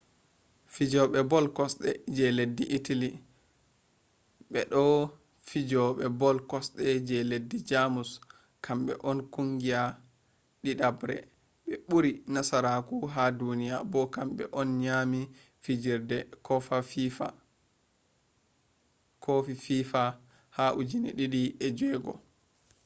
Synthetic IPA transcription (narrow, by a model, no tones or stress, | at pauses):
fid͡ʒɔɓɛbɔlkɔsɗɛd͡ʒɛledːiʔːtali | ɓɛɗɔ | fid͡ʒɔɓɛbɔlkɔsɗɛd͡ʒɛledːid͡ʒamus | kʰamɓɛ̰ʔɔnkuŋɡia | ɗiɗabɾɛ̰ | ɓɛɓuɾinasaɾakuɦadunijabɔkamɓɛ̰ʔɔnɲami | fid͡ʒiɾdɛkɔfafifa̰ | kʰofififa | haʔud͡ʒinḭɗiɗiɛd͡ʒɛɡɔ̰